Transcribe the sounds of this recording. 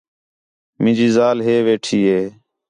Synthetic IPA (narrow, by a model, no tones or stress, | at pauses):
mɪ̃ːd͡ʒiːzaːlɦeːʋeːʈʰiːɦeː